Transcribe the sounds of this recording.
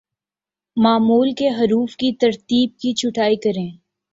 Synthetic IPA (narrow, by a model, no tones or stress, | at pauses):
maːmuːlkeɦɐɾuːfkit̪ɐɾt̪iːb̚kit͡ʃʰʊʈaːikɐɾẽː